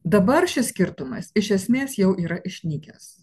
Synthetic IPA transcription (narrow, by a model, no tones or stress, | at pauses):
d̪ɐbɐɾʃʲɪsʲkʲɪɾt̪ʊmɐ̰sɪʃʲɛsʲmʲeːsjɛʊʔiːɾɐʔɪʃʲnʲiːkʲɛs